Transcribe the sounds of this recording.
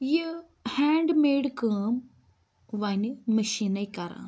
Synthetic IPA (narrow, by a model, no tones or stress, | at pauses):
ji | hɛ̃ːɳɖmeːɖkəːm | ʋɐnʲməʃinaikɐɾã̰ː